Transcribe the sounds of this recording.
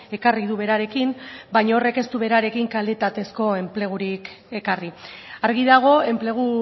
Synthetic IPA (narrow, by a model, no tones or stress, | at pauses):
e̞kariðuβe̞ɾaɾe̞kimbajɲaore̞ke̞st̪uβe̞ɾaɾe̞kiŋkale̞t̪at̪e̞sko̞e̞mple̞ɣ̞uɾik | e̞kariaɾɣiðaɣ̞o̞e̞mple̞ɣ̞u